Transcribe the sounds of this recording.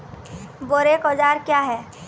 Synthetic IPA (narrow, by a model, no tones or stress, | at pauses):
boɾekɔd͡ʒaːɾkjaɦɛː